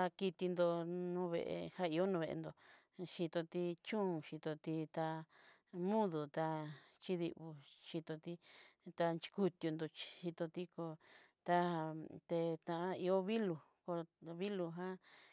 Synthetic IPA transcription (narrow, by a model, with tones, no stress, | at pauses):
a˧ki˧t̪i˧nd̪o˧nũː˧˦βḛ˧ʔḛ˧ha˦i˧o˦nũ˧βe˧ʔḛ˧nd̪o˧ | ʃi˧t̪o˧t̪i˧t͡ʃũ˦ũ˨ʃi˧t̪o˧t̪i˧t̪a˧ | mũ˦ðu˨t̪a˧t͡ʃi˦ðḭ˧ʔβu˧ʃi˧t̪o˧t̪i˦t̪a˧nt͡ʃi̥˧ku˧t̪ju˧nd̪o˧t͡ʃʃi˧t̪o˧t̪i˦ko˧ | t̪a˧t̪e˧t̪ã˧ʔã˦i˧o˦βi˦lu˧ko˧βi˦lu˧ɦã˦